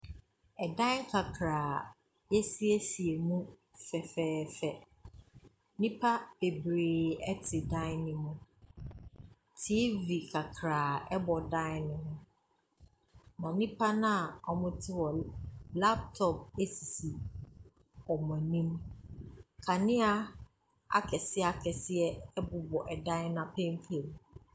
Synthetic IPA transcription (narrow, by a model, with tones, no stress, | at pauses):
ɛ˨dã˦kʰa˨kʰɾaː˨ | jɛ˦si˦æ˦si˨e˨mũ˦ | fɛ˨fɛː˨˦fɛ˨ | nĩ˦pʰa˦be˨bɾeː˨ɛ˦tʰɪ˨dã˦nɪ̃˦mʊ̃˦ | tʰi˦vi˨kʰa˨kʰɾaː˨ɛ˦bɔ˨dã˦nʊ̃˨mʊ̃˦ | mã˨nĩ˦pʰa˦nã˦a˨ɔ˨mʊ̃˦tʰɪ˦wɔ˨la˦p̚tʰɔ˨p̚e˦si˨si˨ | ɔ˨mɔ̃˨nĩ˦m | kʰa˨nɪ̃˦a˦ | a̰˨kʰɛ˨sɪ˦a˨kʰɛ˨sɪ˦ɛ˦ɛ˦bʊ˨bɔ˨ʔɛ˨dã˦nã˨pʰɛ̃˦m˦fʰlo˨m˨